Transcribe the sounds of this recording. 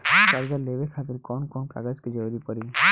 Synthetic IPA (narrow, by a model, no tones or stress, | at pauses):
kaɾd͡ʒaleʋekʰat̪ɪɾkɔnkɔnka̰ɡad͡ʒked͡ʒəʋɾipəɾi